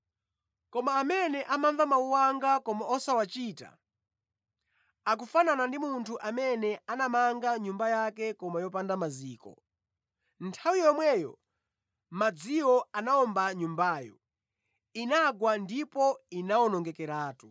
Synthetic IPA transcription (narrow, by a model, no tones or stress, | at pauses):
kɔmaːmɛnɛʔamaɱvamauwaŋɡakɔmaɔsawat͡ʃiːta̰ | ak̬ufananandimuntʰuʔamɛnɛanamaŋɡaɲumbajakɛkɔmajɔpandamaziːkɔ̰ | ntʰawijɔmwɛjɔ̰ | mad͡ziwɔanaɔmbaɲumbaːjɔ | inaɡwandipɔinawɔnɔŋɡɛkɛɾaːtu